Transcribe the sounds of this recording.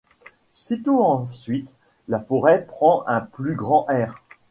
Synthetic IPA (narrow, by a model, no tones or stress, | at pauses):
sit̪oɑ̃sɥit̪ | lafɔʁɛpχɑ̃ʔɛ̃plyɡʁɑ̃ʔɛːʁ